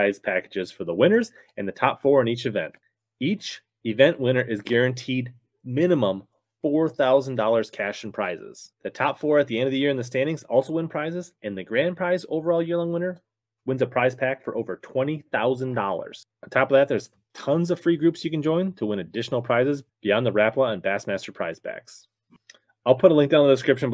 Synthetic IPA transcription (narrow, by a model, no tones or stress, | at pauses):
aɪz̥pʰækɨd͡ʒɨz̥fə˞ðəwɪ̃nə˞z | ɨ̃nðɨtʰɑpfɔɹɨ̃nit͡ʃɨvɛ̰̃nt | it͡ʃ | ɨvɛ̃nʔwɪ̃ɾ̃ə˞ʔɨzɡɛɹɨ̃ntʰid̚ | mɪ̃nɨmə̃m | fɔɹθaʊz̃n̩dɔlˠə˞z̥kʰæʃn̩pʰɹ̥aɪzɪ̰z̥ðɨtʰɑpfɔɹɨt̪̚ðiɛ̃ndʌvðɨjɪɹɨ̃nðɨs̬tæ̃ndɪ̃ŋzɔ̰lˠsoʊwɪ̃npʰɹ̥aɪzɨzɨ̃nðɨɡɹæ̃npʰɹ̥aɪzoʊvə˞ɔlˠjɪɹlə̃nwɪ̃ñə˞ | wɪ̃nzɨpʰɹ̥aɪz̥pʰækfə˞ʔoʊvə˞tʰw̥ɛ̃ɾ̃iθaʊzɨ̃ndɔ̰lˠə̰˞z̥̃ | n̩tʰɑpʌvðɨt̪̚ðə˞z̥ | tʰʌ̃nzʌv̥fɹiɡɹʉpsjɨkɨ̃n̩d͡ʒɔ̃ɪ̃ntʰəwɪ̃ñɨdɪʃn̩l̩ˠpʰɹ̥aɪzɨzb̥iɑ̃nðəɹæpləə̃nbæsmæstə˞pʰɹ̥aɪz̥pʰæ̰ks | aɪlˠpʰʊɾəlɪ̃ŋk̚d̥ãʊ̃nðdɨskɹɪpʃɨ̃n